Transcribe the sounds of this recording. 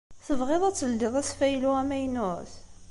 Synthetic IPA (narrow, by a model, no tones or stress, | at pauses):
θəvʁeðˤæt͡sːəld̪ɪðˤæsfæjluæmæjnʊθ